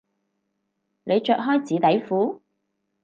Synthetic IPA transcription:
nʔe˨˧jt͡ʃœː˧˨k̚ɦɔː˥jt͡siː˨˧˥t̪ɐ˨˥jfuː˨˥

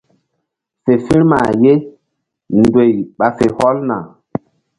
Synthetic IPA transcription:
fe˨fi˦ɾma˨je˦ | ndo˨jɓa˨fe˨hɔ˦lna̰˨

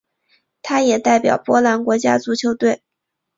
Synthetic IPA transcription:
t̪ʰa˥jɛ˨˩t̪a˥˩ɪpjɑ̰˨˩ʊpwɔ˥la˧˥nkwɔ˧˥t͡ɕja̰˥t͡su˧˥t͡ɕʰjo˧˥ʊt̪we˥˩ɪ

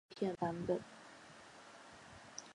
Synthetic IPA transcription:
pʰjɛ˥˩nfa˧˥nbə˨˩

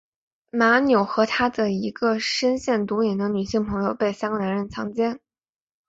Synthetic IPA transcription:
ma˧˥njo˨˩ʊxɤ˧˥t̪ʰa˥d̪ə˨i˧˥ɡə˧ʂə˥nɕjɛ˥˩nt̪u˧˥i˨˩nd̪ə˦ny˨˩ɕi˥˩ŋpʰɤ˧˥ŋjo˧ʊpe˥˩ɪɕɑ˥ŋɡə˧˩na˧˥nɻə˥˩nt͡sʰɑ˧˥ŋt͡ɕjɛ˥n

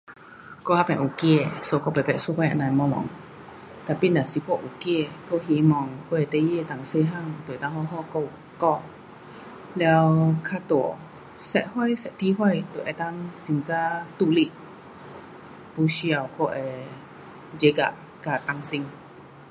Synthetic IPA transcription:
ko˧ha˧˨pɛ˨ʔu˨ki˧so˧kɔ˧˨pə˨pɛ̰˧˨su˧˦kɔ˧ja̰˧˨na˨jmɔ˧˦mɔ̰˨ŋ | t̪a˧˨pi˧˨na˨si˧˦kɔ˧˨ʔu˨ki˧˨ko˧˨ɦi˧˨˦mɔ˨ŋko˧ʔɛ˨t̪e˧ji˥˧˨t̪a˨ŋse˧ɦa˧˨ŋt̪o˨ɛ˨t̪a˧ŋhɔ˧jɦɔ˧ko˧w | kɔ˧˨ | lɛ˧wkʰa˧t̪o˨ | sɛ̰˧˨ʔhɔ˧˥˨jsɛ˧˨ʔt̪i˧˨ɦɔ˥˧˨jt̪o˨ʔɛ˨t̪a˧ŋt͡si˧˨nt͡sa˧t̪u˧li˧˨ʔ | pu˧si˧a˧wkɔ˧ʔɛ˨ | d͡ʒe˧˦ɡa̰˧˨ʔ | ka˧t̪a˧ŋsi˧˨ŋ

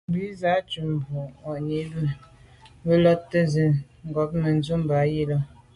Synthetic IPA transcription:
bi˨˦za˨˦t͡ʃu˨m˨bɔ˨ɔ˨ɲi˨˦b | bə˦lɔ˦tːə˦zi˨ | ŋ̩˨ɡɔ˨t̚mə˨n˦zu˦m˨ba˨˦ji˦˨lɔ˦

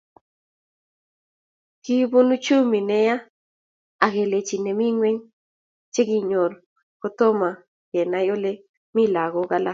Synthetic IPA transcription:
ki˦bo˦nu˦t͡ʃu˦mi˨nɛ˦ja˦ | a˨ke˨le˨t͡ʃi˨ne˨mi˦ŋwe˦ɲ | t͡ʃe˦ɡi˦˨ɲo˨l | ko˦t̪o˦ma˨ | kɛ˨na˨jo˦le˦ | mi˦la˨ɡo˨ɡa˦la˦

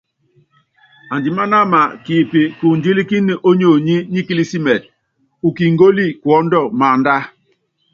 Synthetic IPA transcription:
a˨ndi˨ma˦na˦ma˨ki˨pi˨ku˨n˨d͡ʒi˦li˦ki˦nːi˨ʔo˦ɲo˦˨ɲi˦ɲi˦ki˦li˦si˦mɛ˨t̚ | u˨ki˨ŋ̩˦ɡo˦li˦kwɔ˨˦n˦dɔ˦˨ma˨n˦da˦

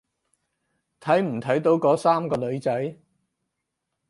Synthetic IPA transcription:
t̪ʰɐ˨˥jm̩˨˩t̪ʰɐ˨˥jt̪o˨˥wkɔː˨˥saː˥mkɔː˧lɵ˨˧ɥt͡sɐ˨˥j

